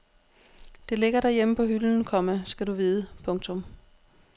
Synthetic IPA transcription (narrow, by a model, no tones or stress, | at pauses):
d̥e̝le̝ɡ̥ɐɾæɐjeməpʰɒ̽ɦyln̩kʰɒ̽məsɡ̥ædɾuʋiːðˠəpʰɔ̽ŋt͡sʰɔ̽m